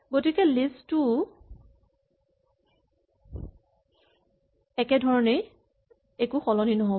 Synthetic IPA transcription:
ɡotikɛlistʊ | ɛkɛdʱɔɹɔnej | ekuxɔlɔninɔɦo

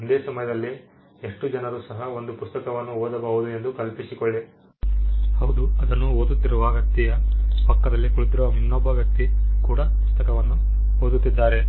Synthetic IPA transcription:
nd̪eːsɐmɐjɐd̪ɐlːi | e̞ʂʈud͡ʒɐnɐɾuːsɐɦɐo̞nd̪upust̪ɐkɐʋɐnːuoːd̪ɐbɐʋud̪ue̞nd̪ukɐlpisikoɭːi | hɐwd̪uɐd̪ɐnːuɦoːd̪ut̪ːiɾuʋaːɡɐk̚t̪ijɐpɐkːɐd̪ɐlːikuɭut̪iɾuʋɐminːɔbːɐʋjɐk̚t̪ikuːɽɐpust̪ɐkɐʋɐnːu | oːd̪ut̪ːid̪ːaːɾe̞

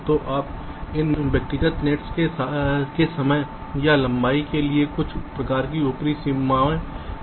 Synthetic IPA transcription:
t̪oʔaːp̚ | ɪnʋjɐk̚t̪ɪɡət̪neːʈskekesɐməj | jalɐ̃mbaːikeliekʊt͡ʃʰpɾɐkaːɾk̬iʊpɾisimːaːʋẽ

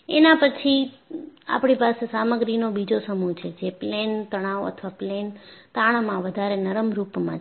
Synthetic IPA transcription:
enãpət͡ʃʰi | a̰pɽ̃ipasesaməɡɾinobid͡ʒosəmut͡ʃʰed͡ʒeplent̪əɽ̃aʋə̰t̪ʰʋaplent̪aɽ̃mãʋəd̪ʱaɾenəɾəmɾupmã̰t͡ʃʰ

